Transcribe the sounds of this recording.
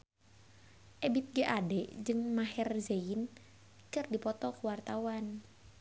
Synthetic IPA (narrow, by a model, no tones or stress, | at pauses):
ʔɛbit̪̚ɡəʔadɛd͡ʒɨŋmaɦɛrzein | kɨrdipɔt̪ɔkuwart̪awan